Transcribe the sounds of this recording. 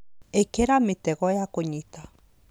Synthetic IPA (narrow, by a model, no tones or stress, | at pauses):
ekeɾamit̪eɣɔjakoɲit̪a